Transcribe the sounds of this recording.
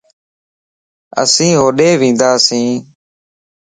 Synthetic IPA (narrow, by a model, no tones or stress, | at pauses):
ə̰sĩːɦoːɗeːʋĩːnd̪aːsĩː